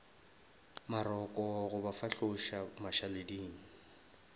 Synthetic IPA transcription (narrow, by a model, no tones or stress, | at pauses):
maɾɔkʼɔɣʊbafaɬʊʃamaʃalediːŋ̩